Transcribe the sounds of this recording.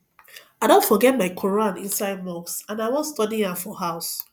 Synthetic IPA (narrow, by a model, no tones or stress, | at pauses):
aɪdõntfɔɡɛt̚maɪkʰɔɹãnĩnsaɪd̚mɔksãnaɪwɔstɔdĩãfɔhaʊs